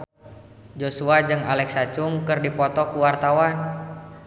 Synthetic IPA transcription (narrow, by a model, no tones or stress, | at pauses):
d͡ʒosuad͡ʒɨŋalɛksat͡ʃuŋkɨrdipɔt̪ɔkuwart̪awan